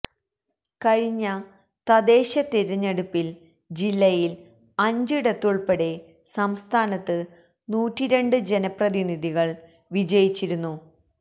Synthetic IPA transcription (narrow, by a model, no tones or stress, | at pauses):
kɐɻiɲːɐ | t̪ɐd̪e̞ːɕɐt̪iɾɐɲːeɽupːil | d͡ʑilːɐjil | ɐɲd͡ʑiɽɐt̪ːuɭpɐɽe̞ | sɐmst̪ʰaːnɐt̪ːɨ | nuːtːiɾe̞ɳɖɨd͡ʑe̞nɐprɐðiniðʱiɣɐɭ | ʋid͡ʑɐjit͡ɕːiɾunːu